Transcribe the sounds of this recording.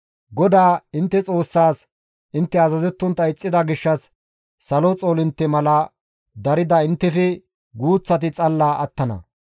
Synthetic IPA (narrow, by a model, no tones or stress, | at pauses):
ɡɔd̪aːɪnt̪ːɛt͡sʼo̞ːsːaːs | ʔɪnt̪ːɛɐzɐzɛt̪ːʊnt̪ːɐɪt͡sʼːɪd̪ɐɡɪʃːɐsː | ɐlot͡sʼoːlɪnt̪ːɛmɐlɐ | d̪ɐɾɪd̪ɐɪnt̪ːɛfɛ | ɡuːt͡sːɐt̪ɪt͡sʼɐlːaːʔɐt̪ːɐnɐ̰